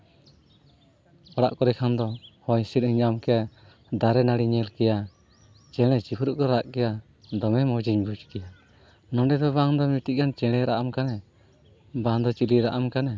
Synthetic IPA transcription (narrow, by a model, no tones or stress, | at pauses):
ɔɽaʔkɔɾɛkʰand̪ɔhɔɲsiɾ̚iɲamkɛja | d̪aɾɛnaɽiɲɛlkɛja | t͡ʃɛɽ̃ɛt͡ʃipʰɾuʔkɔɾaʔkɛja | d̪ɔmɛmɔd͡ʒiɲbud͡ʒkɛja | nɔɖɛd̪ɔβaŋd̪ɔmiʈiʔ̚kant͡ʃɛɽ̃ɛɾaʔamkanɛ | baŋd̪ɔt͡ʃiliɾaʔamkanɛ